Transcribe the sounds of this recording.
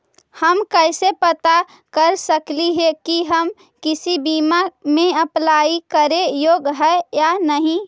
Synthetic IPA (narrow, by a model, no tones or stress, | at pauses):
həmkəɪsepət̪a | kəɾsəkliɦekiɦəm | kɪsibimaɾmẽəplaikəɾejoːɡɦɛejanəɦĩ